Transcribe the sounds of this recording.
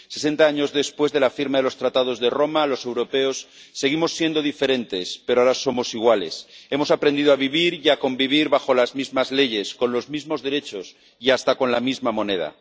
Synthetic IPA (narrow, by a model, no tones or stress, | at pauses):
se̞se̞nt̪aaɲo̞zðe̞spwe̞zðe̞lafiɾmaðe̞lo̞st̪ɾat̪að̞o̞zðe̞ro̞malo̞se̞wɾo̞pe̞osːe̞ɣ̞imo̞sːje̞nd̪o̞ðife̞ɾe̞nt̪e̞spe̞ɾoaɾaso̞mo̞siɣ̞wale̞̰se̞mo̞sapɾe̞nd̪iðoaβiβiɾjako̞mbiβ̞iɾβaxo̞lazmizmazle̞ʝe̞sko̞nlo̞zmizmo̞zðe̞ɾe̞t͡ʃo̞s | iast̪ako̞nlamizmamo̞ne̞ð̞a̰